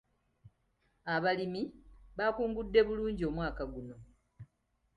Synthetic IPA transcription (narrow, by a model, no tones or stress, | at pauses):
aβalimiβakuːŋɡudːe̞βuluːɲɟio̞mwaːkaɡuno̞